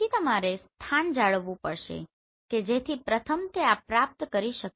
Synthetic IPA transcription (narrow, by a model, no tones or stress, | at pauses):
it̪əmaɾest̪ʰand͡ʒaɭʋũpəɾʃḛ | ked͡ʒet̪ʰipɾət̪ʰəmt̪eapɾap̚t̪kəɾiʃək